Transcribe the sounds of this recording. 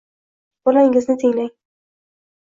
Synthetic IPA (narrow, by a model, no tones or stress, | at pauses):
b̥ɒlaɪŋɪznɪt̪ʰɪŋlaŋ